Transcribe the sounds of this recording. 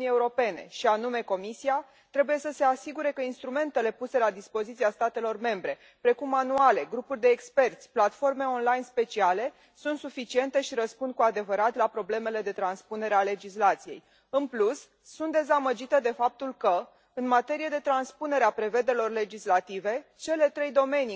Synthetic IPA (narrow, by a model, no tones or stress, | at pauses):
nie̞uɾo̞pe̞ne̞̰ʃianume̞ko̞misia | t̪ɾe̞buje̞səse̞asiɡuɾe̞kəinst̪ɾume̞nt̪e̞le̞puse̞lad̪ispo̞zit̪siast̪at̪e̞lo̞rme̞mbɾe̞ | pɾe̞kumanuale̞ɡɾupurʲd̪e̞ːkspe̞rt̪sʲplat̪fo̞rme̞o̞nlajnspe̞t͡ʃiale̞ | sunt̪sufit͡ʃie̞nt̪e̞ʃiɾəspund̪̚kuad̪e̞vəɾat̪lapɾo̞ble̞me̞le̞d̪e̞t̪ɾanspune̞ɾeale̞d͡ʒislat̪sije̞̰j | ɨnplusː | unt̪̚d̪e̞zaməd͡ʒit̪əd̪e̞fap̚t̪ulkə | ɨnmat̪e̞ɾije̞d̪e̞t̪ɾanspune̞ɾeapɾe̞ve̞d̪e̞lo̞rle̞d͡ʒislat̪ive̞t͡ʃe̞le̞t̪ɾe̞jd̪o̞me̞ni